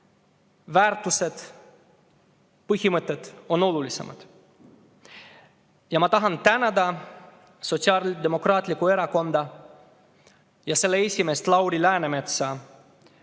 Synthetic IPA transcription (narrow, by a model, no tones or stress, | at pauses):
væːrt̪ːuse̞t̪ | pɯhimɨt̪ːˑet̪o̞no̞lulise̞̰mɑ̰d̪̥ | jɑmɑt̪ɑɦɑnt̪ænæd̪ɑ | so̞t̪siɑɾd̪e̞mo̞krɑːt̪ʲˑlikːˑue̞ɾɑko̞nd̪̥ɑ | jɑse̞lːeesʲimeːst̪lɑwɾilæːneme̞t̪sɑ